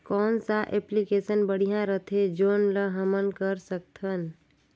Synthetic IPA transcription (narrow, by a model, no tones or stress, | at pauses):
kɔːnsaʔeplikeːsənbəɽ̤ijãɾət̪ʰed͡ʒoːnləɦəmənkəɾsək̚t̪ʰən